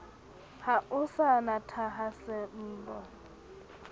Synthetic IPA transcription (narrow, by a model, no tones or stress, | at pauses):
haʔʊsanatʰaɦasɛm̩ːbɔ